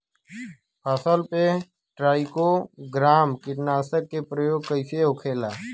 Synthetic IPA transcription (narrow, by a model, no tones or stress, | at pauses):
pʰaːsəlpe | ʈɾaːikoɡɾaːmkɪʈnaːsəkːepɾəjoːɡ̚kəɪseokʰeːlaː